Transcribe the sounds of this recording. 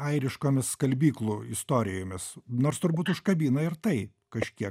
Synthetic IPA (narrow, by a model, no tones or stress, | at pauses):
ɐɪɾʲɪʃkoːmʲɪsskɐlʲbʲiːklˠuɪst̪oːɾʲɪjoːmʲɪsnoːrst̪ʊɾbuːt̪ʊʃkɐbʲiːnɐɪɾt̪ɐɪ | kɐʃʲkʲiɛ